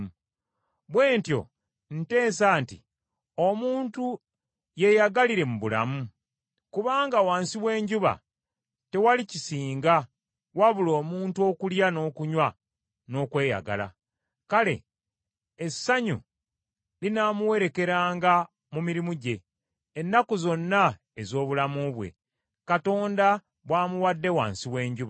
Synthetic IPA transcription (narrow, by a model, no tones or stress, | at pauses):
βwe̞ːntjo̞̰ | n̩te̞ːnsaːntḭ | o̞muːntu | je̞jaɡaliɾe̞muβula̰mu | kuβaːŋɡawaːnsiβwe̞ːɲɟuβa̰ | te̞walicisiːŋɡa | waβulo̞ːmuːntuo̞ːkuljano̞ːkuɲwa | no̞ːkwe̞ːja̰ɡa̰la̰ | kale̞̰ː | sːaɲṵ | linaːmuwe̞ɾe̞ke̞ɾaːŋɡa | mumiɾimuɟe̞ː | nːakuzo̞nːa | ezo̞ːβulamuβwe̞̰ | kato̞ːnda | βwaːmuwadːe̞wa̰ːnsiwe̞ːɲɟuβa